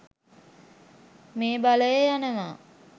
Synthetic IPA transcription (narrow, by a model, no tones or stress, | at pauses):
meːbaləjəjanəʋaː